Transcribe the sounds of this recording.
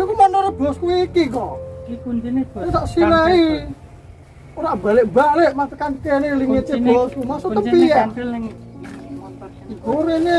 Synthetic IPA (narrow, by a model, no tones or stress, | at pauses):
okumanoɾɔb̥ɔskuikikɔ | t̪aʔsilai | oɾabaleʔbaʔleʔmat̪əkankeneliŋet̪eb̥ɔskumasoəpian | iɡoɾene